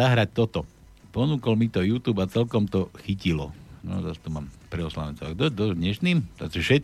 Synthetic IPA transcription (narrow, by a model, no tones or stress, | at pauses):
aɦɾac̚t̪ɔt̪ɔ | pɔnuːkɔlmit̪ɔjuːt̪uːbat͡sɛlkɔmt̪ɔxicilɔ̰nɔ̰zast̪umaːmpɾɛɔsla̰ʋɛnt͡sɔaɡd̪ɔd̪ɔd̪ɲɛʃniːma̰siʃɛt̪̚